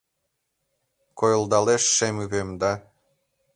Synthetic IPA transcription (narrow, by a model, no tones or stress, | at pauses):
kʰojŏlˠd̪ɑlˠeʃːemyβemd̪ɑ